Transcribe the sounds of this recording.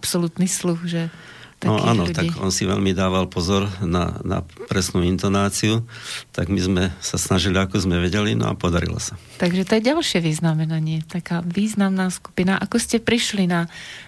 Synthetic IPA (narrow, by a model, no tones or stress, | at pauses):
ʔapsɔlut̪niːsluxʒɛ | t̪aɔʔa̰ːnɔlut̪aiːɡɔnsiʋɛ̰ʎmid̪aːʋalpɔzɔɾna̰na̰pɾɛsnuːint̪ɔnaːt͡siut̪aɡmizmɛsasnaʒiliakuzmɛʋɛɟɛlinɔ̰a̰pɔd̪aɾḭlɔ̰sa | t̪aɡʒɛt̪ɔjɛɟalʃɪɛʋiznamɛnaɲɪɛt̪akaːʋiːznamnaːsku̥pinaʔakɔscɛpɾiʃlina